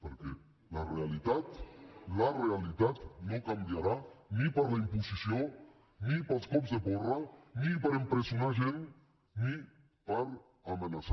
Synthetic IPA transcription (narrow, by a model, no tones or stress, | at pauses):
pəɾkɛ | larealit̪at̪larealit̪at̪nõkamdjaɾanipaɾlaimpusisjo | nipalˠskɔpzðeβɔranipaɾempɾesjonaʒen | ni | paɾ | amenasa